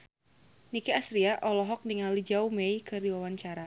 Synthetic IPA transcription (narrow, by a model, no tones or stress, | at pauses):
nikiasɾiaʔɔlɔɦɔk̚niŋalid͡ʒaumeikərdiwawaɲt͡ʃaɾa